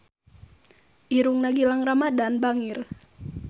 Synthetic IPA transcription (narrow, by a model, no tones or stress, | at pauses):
ʔiɾuŋnaɡilaŋramadanbaŋir